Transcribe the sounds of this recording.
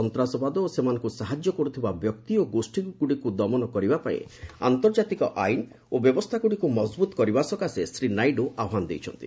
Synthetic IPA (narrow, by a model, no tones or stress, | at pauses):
ɔnt̪ɾasɔbad̪ɔsemanɔ̃ŋkusaɦad͡ʒjɔkɔɾut̪ʰibabjɔkt̪ioɡosʈikuɽikud̪ɔmɔnɔkɔɾibapaḛ̃a̰nt̪ɔɾd͡ʒat̪ikɔʔajn | objɔbɔst̪ʰakuɽikumɔd͡ʒbut̪ɔkɔɾibasɔkasesɾinajɖuʔaɦanɔd̪ḛjt͡ʃʰɔ̰nt̪i